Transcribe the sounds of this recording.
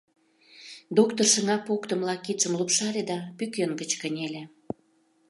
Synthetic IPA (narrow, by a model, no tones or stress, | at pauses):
d̪okt̪orʃə̆ŋɑpokt̪ə̆mlɑkːit̪ʃəmlupʃɑlʲed̪ɑpykʲøŋɡət͡ɕkənʲelʲe